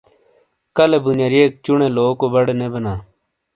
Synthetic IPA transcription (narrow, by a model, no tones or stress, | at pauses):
kəlebʊnjaːɾieːk̚t͡ʃʊɳẽːloːkoːbəɽnebənaː